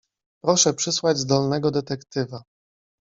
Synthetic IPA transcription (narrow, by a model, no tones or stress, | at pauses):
pɾɔʂɛpʂɘswad͡ʑzd̪ɔlnɛɡɔd̪ɛt̪ɛkt̪ɘva